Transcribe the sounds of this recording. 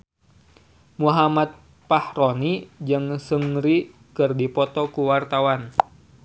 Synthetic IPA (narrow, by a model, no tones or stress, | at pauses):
muɦamat̪̚ | pahronid͡ʒɨŋsəŋɾi | kɨrdipɔt̪ɔkuwart̪awan